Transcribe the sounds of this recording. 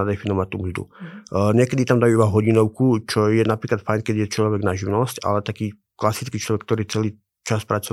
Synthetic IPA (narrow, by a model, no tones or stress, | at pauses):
ad̪ɛfinɔʋac̚t̪umzd̪ṵɲɛkɛd̪it̪amd̪ajuibaɦɔɟinɔʊkut͡ʃɔjɛnapɾiːklat̪fajnkɛd̪ijɛt͡ʃlɔʋɛɡnaʒiʋnɔsca̰lɛt̪akiː | klasit͡skiːt͡ʃlɔʋɛkːt̪ɔɾiːt͡sɛliː | t͡ʃaspɾat͡sɔ